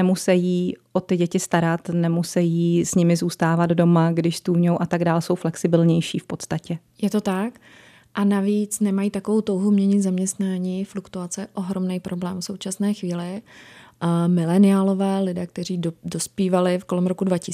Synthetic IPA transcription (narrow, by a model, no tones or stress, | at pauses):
ɛmusɛjiːʔo̞t̪ɪɟɛcɪst̪aɾat̪nɛmusɛjiːsɲɪmɪzuːst̪aːvad̪do̞maɡdɪʃst̪uːvɲowʔat̪aɡdaːlso̞wflɛksɪbɪlɲɛjʃiːfpo̞t̪st̪acɛ | jɛt̪o̞t̪ak | ʔanaviːt͡snɛmajiːt̪akovo̞wt̪o̞wɦumɲɛɲɪt̪zamɲɛst̪naːɲiːflukt̪uat͡sɛɛʔo̞ɦɾo̞mnɛjpɾo̞blɛːmfso̞wt͡ʃasnɛːxviːlɪ | mɪlɛnɪjaːlo̞vɛːlɪdɛːk̚t̪ɛɾ̝iːdo̞spiːvalɪfko̞lɛmɾo̞kudvacɪ